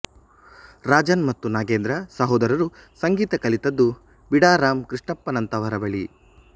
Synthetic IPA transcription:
ɾaːd͡ʒɐnmɐt̪ːunaːɡeːnd̪ɾɐsɐɦoːd̪ɐɾɐɾusɐŋɡiːt̪ɐkɐlit̪ɐd̪ːu | biɽaːɾaːmkɾiʂʈɐpːɐnɐnt̪ɐʋɐɾɐbɐɭi

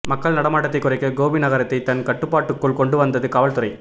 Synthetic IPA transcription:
mɐkːɐɭnɐɽɐmaːʈːɐt̪ːɐɪkːʊrɐɪkːɐɡoːʋinɐɣɐɾɐt̪ːɐɪt̪ːɐnkɐʈːɯpːaːʈːɯkːɯɭkɔɳɖɯʋɐnd̪ɐðɯkɐːʋɐɭt̪ʊɾɐɪ

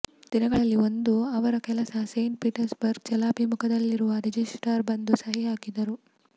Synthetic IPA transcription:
d̪̥inɐɡɐɭɐlːio̞nd̪uɐʋɐɾɐkɛlɐsɐsejɳʈ̚piːʈɐɾsbɐɾɡ̚t͡ʃɐlaːbʱimukɐd̪ɐlːiɾuʋɐɾed͡ʒisʈɐɾbɐnd̪usɐɦiɦaːkid̪ɐɾu

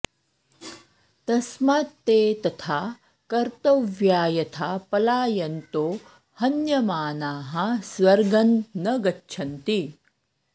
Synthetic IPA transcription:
t̪ɐsmaːt̪ːeːt̪ɐt̪ʰaː | kɐɾt̪ɐʋjaːjɐt̪ʰaːpɐlaːjɐnt̪oː | hɐnjɐmaːnaːɦɐsʋɐɾɡɐnːɐɡɐtːʃʰɐnt̪i

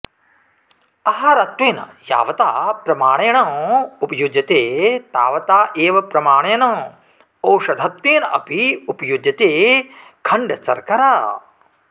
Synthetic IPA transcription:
ɐɦɐɾɐt̪weːnɐ̰ja̰ːʋɐt̪aːpɾɐmaːɳ̃eːɳɐupɐjud͡ʒɐt̪eːt̪a̰ːʋɐt̪aːʔeːʋɐpɾɐmaːɳ̃ejnɐ̃ː | oːʃɐd̪ʱɐt̪ʋeːnɐ̰piupɐjud͡ʒɐt̪eː | kʰɐɳɖɐsɐ̰ɾkɐɾaː

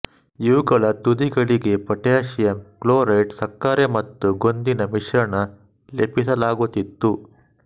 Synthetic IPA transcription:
iʋuɡɐɭɐt̪ud̪iɡɐɭiɡe̞pɐʈjaːʃijɐmkloːɾɐjʈsɐkːaːɾemɐt̪ːuɡo̞nd̪inɐmiʂɾɐɳɐ | lepisɐlaːɡut̪it̪ːu

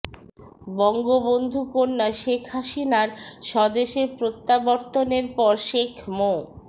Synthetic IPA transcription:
bɔŋɡobond̪ʱukonːaʃekʰɦaʃinaɾʃɔd̪eʃeɾpɾot̪ːabɔɾt̪oneɾpɔɾʃekʰmo

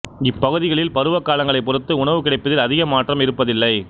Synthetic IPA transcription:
ɪpːɐɣɯðɪɣɐɭɪlpɐɾɯʋɐkːaːlɐŋɡɐɭɐɪpːɔɾɯt̪ːɯʊɳɐʋɯkɪɽɐɪpːɐðɪlɐðɪɣɐmaːʈrɐmɪɾɯpːɐðɪlːɐɪ

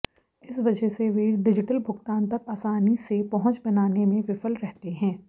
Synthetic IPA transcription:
ɪsʋɐd͡ʒəɦseʋeːɖɪd͡ʒɪʈəlbʱʊɡt̪aːnt̪ɐkaːsaːnisepɐɦʊ̃t͡ʃbɐnaːnemẽʋɪfəlɾɛɦt̪eɦɛ̃ː

